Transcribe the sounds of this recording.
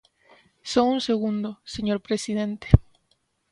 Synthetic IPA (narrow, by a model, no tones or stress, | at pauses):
soŋunse̞ɣund̪oseɲo̞ɾpɾesiðe̞nt̪e̥